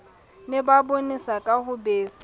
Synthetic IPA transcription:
nɪbabonisakʼahʊbeːsi

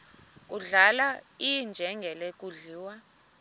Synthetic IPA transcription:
k̬ʼuɮalaijnd͡ʒʱɛŋɡʱɛlek̬ʼuɮiːwa

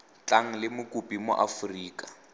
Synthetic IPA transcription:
t͡ɬaŋ̩lɪmʊkʼupʼimʊ̰ʔafuriːkʼa

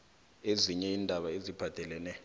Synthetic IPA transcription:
eziɲɛindʱaɓaezib̥ʱad̥ʱɛlɛnɛ

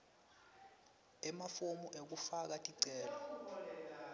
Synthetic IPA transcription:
ɛmafomuʔek̬ufak̬atʼiǀɛːlɔ

